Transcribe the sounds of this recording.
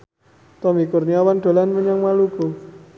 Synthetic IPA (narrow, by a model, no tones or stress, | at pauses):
t̪ɔmikʊrniawanɖ̪̥o̤lanməɲaŋmaluɡ̥o̤